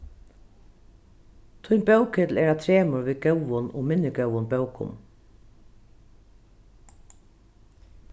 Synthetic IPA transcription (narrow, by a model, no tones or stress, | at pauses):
t̪ʰʊjnbœwkɪt̪l̩ɛːɹat̪ʰɾeːmʊɹʋiːɡœwʋʊnɔ̰ːmɪnːɪɡœwʊnbœwkʊ̰m